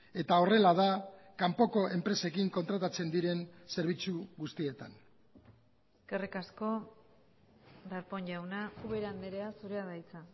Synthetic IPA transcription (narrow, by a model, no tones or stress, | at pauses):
e̞t̪ao̞re̞lað̞a | kampo̞ko̞ʔe̞mpɾe̞se̞kiŋko̞nt̪ɾat̪at͡se̞nd̪iɾe̞nse̞ɾβ̞it͡suɣust̪ie̞t̪an | eske̞rikasko̞ | d̪aɾpo̞ɲʝawnauβeɾand̪eɾeasuɾeaðajt͡sa